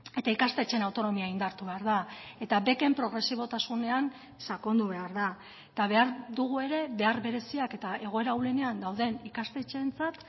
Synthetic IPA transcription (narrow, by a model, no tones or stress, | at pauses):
e̞t̪aikast̪e̞t͡ʃe̞nawt̪o̞no̞miaind̪aɾt̪uβe̞aɾðae̞t̪abe̞ke̞mpɾo̞ɣ̞ɾe̞siβ̞o̞t̪asune̞an | sakond̪uβe̞aɾða | et̪aβe̞aɾðuɣue̞ɾe̞be̞aɾβe̞ɾe̞siake̞t̪ae̞ɣ̞o̞e̞ɾauwle̞ne̞and̪awðe̞nikast̪e̞t͡ʃe̞nt͡sat̪